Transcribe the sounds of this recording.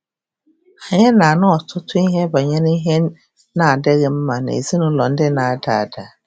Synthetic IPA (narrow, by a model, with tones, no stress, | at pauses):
a˨ɲɛ̃˦nã˨nʊ̃˦ɔ˨tʰʊ˦tʰʊ˦ɲ˦ɦɛ̃˦n˦ba˨ɲɛ̃˦nɪ̃˦ɦɛ̃˦nː | ã˨dɛ˦ɣɪ˦m̩˦mã˨nã̰˨ḛ˨zi˦nʊ̃˦lɔ̃˨n˦dɪ˦nã˨a˨da˨da˨